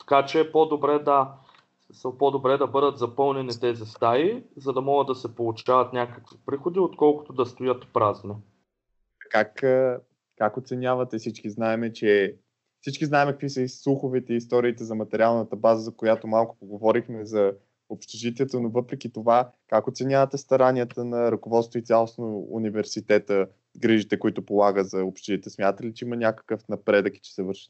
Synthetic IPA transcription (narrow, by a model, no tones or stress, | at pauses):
t̪ɐ̥kat͡ʃɛpod̪obɾɛd̪ɐ | səpɔd̪obɾɛd̪ɐbɤd̪ət̪zɐpɤlˠnɛnit̪ɛzist̪aɾizɐd̪ɐmɔɡət̪ːɐsɛpolˠʊt͡ʃavɐt̪nʲakəkvipɾixod̪iot̪kɔlˠkʊ̥t̪od̪ɐst̪ojət̪pɾazno | ɐkakə | kakot̪sɛnʲavɐt̪ɛfsit͡ʃkiznaɛmɛt͡ʃɛ | fsit͡ʃkiznaɛmɛkəkvisəislˠuxovɛt̪ɛiːst̪ɔɾiːt̪ɛzɐmɐt̪ɛɾʲialˠnət̪əbazəzɐkojat̪omalˠkʊ̥poɡovɔɾixmɛzɐ | opʃt̪ɛʒit̪ɛɛt̪ənovɤpɾɛkit̪ovakakot̪sɛnʲavət̪ɛst̪ɐɾanʲiət̪ənɐɾɐkovɔt̪st̪voit̪sʲjalˠosnoṵnivɛɾsit̪ɛt̪ə | ɡɾiʒit̪ɛkoit̪ʊpolˠaɡəzɐopʃt̪ʒit̪ɛsmʲjat̪ət̪ɛlit͡ʃɛimənʲjakə̥kəfnɐpɾɛd̪əkit͡ʃɛ̥sɛvɤɾʃə̥t̪